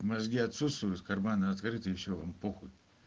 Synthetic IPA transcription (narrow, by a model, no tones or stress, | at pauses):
mɐzɡʲiɐt̪sut̪st̪vʊjʊt̪kɐrmanəɐt̪kɾɨt̪ɨjɪɕːova̰mpoxʊt̪̚ʲ